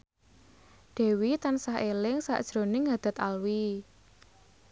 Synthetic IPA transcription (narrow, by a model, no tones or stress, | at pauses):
ɖ̪̥ɛ̤wit̪ansaɦelɪŋsa̰ʔd̥ʒ̥ɾo̤nɪŋad̪̥a̤t̪alwi